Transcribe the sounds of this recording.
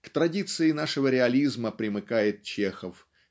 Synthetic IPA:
kt̪ɾɐdʲit̪sɨɪnaʂɨvəɾʲɪɐlʲizməpɾʲɪmɨkajɪt̪̚t͡ɕexəf

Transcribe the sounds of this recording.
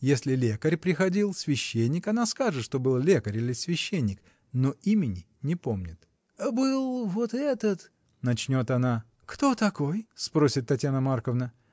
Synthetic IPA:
jesʲlʲɪlʲekəɾʲpɾʲɪxɐdʲilˠsʲvʲɪɕːenʲːɪkɐnaskaʐɨt̪ʂt̪o̞bɨlˠlʲe̞kəɾʲilʲɪsʲvʲɪɕːenʲːɪk | noimʲɪnʲɪ | nʲɪpo̞mnʲɪt̪ | bɨlˠvot̪ɛt̪ət̪ | nɐt͡ɕnʲo̞t̪ɐna | kt̪o̞t̪ɐko̞jspɾo̞sʲɪt̪ːɐtʲjanəmarkəvnə

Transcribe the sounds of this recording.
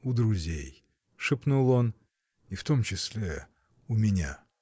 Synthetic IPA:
ʊd̪ɾʊzʲḛj | ʂɨpnulˠon | ɪft̪o̞mt͡ɕɪsʲlʲe | ʊmʲɪnʲa̰

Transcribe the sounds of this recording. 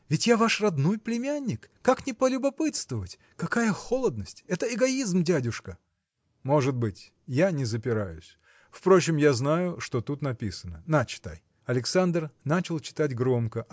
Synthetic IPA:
vʲɪtʲjavaʂrɐd̪nojplʲɪmʲanʲːɪkːaknʲɪpəlʲʊbɐpɨt̪st̪vəvətʲ | kɐkajəxolˠəd̪nəsʲtʲɛt̪əɪɡɐizmdʲadʲʊʂkə | mo̞ʐɨt̪̚bɨtʲ | janʲɪzəpʲɪɾajʊsʲ | fpɾo̞t͡ɕɪmjaznajʊʂt̪o̞t̪ut̪nɐpʲisənənat͡ɕɪ̥t̪a̰j | ɐlʲɪksand̪rnat͡ɕɪlˠt͡ɕɪ̥t̪atʲɡɾo̞mkəʔ

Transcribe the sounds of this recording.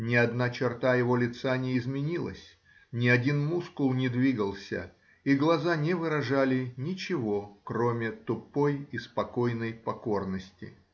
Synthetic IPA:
nʲɪɐd̪nat͡ɕɪrt̪ajɪvo̞lʲɪt̪sanʲɪɪzmʲɪnʲilˠə̰sʲ | nʲɪɐdʲinmuskʊlˠnʲɪd̪vʲiɡəlˠsʲə̰ | iɡlˠɐzanʲɪvɨɾɐʐalʲɪnʲɪt͡ɕɪvo̞kɾo̞mʲɪt̪ʊpːo̞jɪspɐko̞jnəjpɐko̞rnəsʲtʲɪ̰

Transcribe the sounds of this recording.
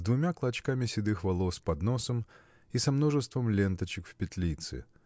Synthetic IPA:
zd̪vʊmʲaklˠɐt͡ɕkamʲɪsʲɪd̪ɨxvɐlˠospɐd̪nosəm | isɐmno̞ʐɨst̪vəmlʲent̪ət͡ɕɪkfpʲɪt̪ʲlʲit̪sɨ̰

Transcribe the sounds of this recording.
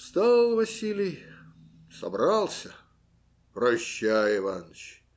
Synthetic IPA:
st̪alˠvɐsʲilʲɪj | sɐ̰bɾɑlˠsʲə | prɐɕːajɪvanət͡ɕ

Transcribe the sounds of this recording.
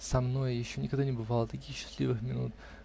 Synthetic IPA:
sɐmno̞jjɪɕːonʲɪkɐɡd̪anʲɪbɨvalˠət̪ɐkʲixɕːɪ̥slʲḭvɨxmʲɪnṵt̪̚

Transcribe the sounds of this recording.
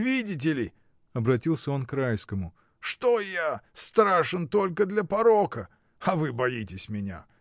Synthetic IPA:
vʲidʲɪt̬ʲɪlʲɪ | ɐbɾɐtʲilˠsʲəo̞nkɾajskəmʊ | ʂt̪ojast̪ɾaʂɨnt̪o̞lʲkəd̪lʲɐpɐɾokə | ɐvɨbɐjitʲɪsʲmʲɪnʲa̰

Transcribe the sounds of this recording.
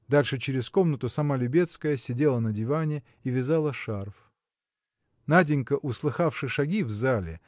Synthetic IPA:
d̪alʲʂɨt͡ɕɪɾʲɪsko̞mnət̪ʊsɐmalʲʊbʲe̞t̪skəjəsʲɪdʲe̞lˠənədʲɪvanʲɪ | ivʲɪzalˠəʂarf | nadʲɪnʲkəʔʊslˠɨxafʂɨʂɐɡʲivzalʲɪ̰

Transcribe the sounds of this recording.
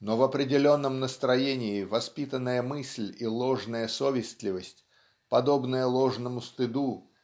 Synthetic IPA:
novɐpɾʲɪdʲɪlʲo̞nːəmnəst̪ɾɐjenʲɪɪvɐspʲit̪ənːəjəmɨsʲlʲilˠo̞ʐnəjəsovʲɪsʲt̪ʲlʲɪvəsʲtʲ | pɐd̪o̞bnəjəlˠo̞ʐnəmʊst̪ɨd̪u

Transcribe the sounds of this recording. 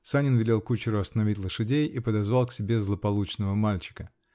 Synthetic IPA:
sanʲɪnvʲɪlʲe̞lˠkut͡ɕɪɾʊɐst̪ənɐvʲitʲlˠəʂɨdʲejipəd̪ɐzvalˠksʲɪbʲe̞zlˠəpɐlˠut͡ɕnəvəmalʲt͡ɕɪ̥kə

